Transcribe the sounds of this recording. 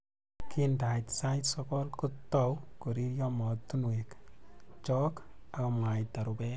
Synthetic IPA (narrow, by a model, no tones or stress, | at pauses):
kʰindajtsajtsɔkɔlkutːɔwkuɾiɾjɔmɔt̪ːunwekt͡ʃɔk | akɔmwajt̪aɾubɛ